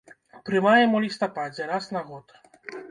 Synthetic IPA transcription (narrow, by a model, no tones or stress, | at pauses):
pɾɨmajɛmɔlʲist̪ɔpad͡zʲɛɾasnaɣɔt̪